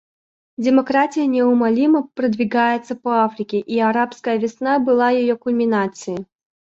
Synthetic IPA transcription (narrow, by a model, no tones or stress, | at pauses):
d͡zʲɪmɐkɾat͡sʲɪjənʲɛʊmalʲimɐpɾəd̪vʲɪɡajɪt̪səpɐafɾʲɪkʲɪʔiaɾapskəjəvʲɪsnabɨlˠajɪjɔkʊlʲmʲɪnat̪sɨji